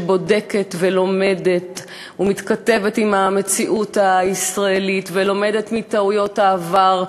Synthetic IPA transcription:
bo̞deke̞tvelo̞me̞det | humit̪kate̞vetimame̞t͡siʔutaisʁaelitvelo̞me̞de̞tmitaujo̞taːvaʁ

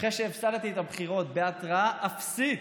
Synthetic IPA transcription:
χeʃeːvsalt̪iet̪abχiʁo̞t̪beat̪ʁaaʔafsit

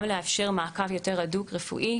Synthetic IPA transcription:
mleafʃeʁmaːkavjo̞teʁadukʁefṵʔi

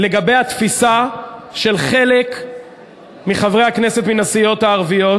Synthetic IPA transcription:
leɡabe̞jhat̪fisaʃe̞lχe̞lek | miχavʁe̞jhakne̞se̞t̪minasijo̞t̪haːʁvijo̞

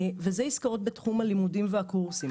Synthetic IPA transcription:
vezeiskaʁo̞t̪̚betχumhalimudimveakuʁsi

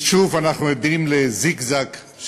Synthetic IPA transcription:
ʃuvanaχnujod̪imlezikzak

